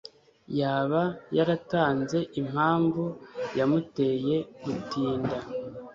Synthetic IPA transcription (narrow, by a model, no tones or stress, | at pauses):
jaːβajaɾataːnze̞ʔim̥haːɱvujamute̞ːje̞ɡ̥utiːnda